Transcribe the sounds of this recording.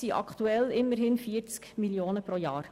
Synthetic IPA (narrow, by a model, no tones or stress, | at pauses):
siʔɑ̰kʰt̪uɛlɪmːəɾɦɪnfiːəɾt͡skmiljoːnəpɾojɑːɾ